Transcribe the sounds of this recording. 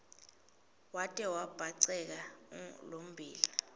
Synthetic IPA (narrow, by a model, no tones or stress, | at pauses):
watʼɛwab̥ʱaǀɛk̬alom̩bʱiːli